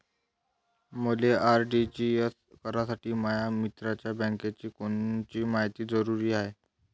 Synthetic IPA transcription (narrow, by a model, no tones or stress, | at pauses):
məleaɾɖid͡ʑies | kəɾasaʈiːmajamit̪ɾat͡ɕjabə̃ŋket͡ɕiːkoɳt͡ɕiːmaɦjt̪iːd͡zəɾuɾiːaɦe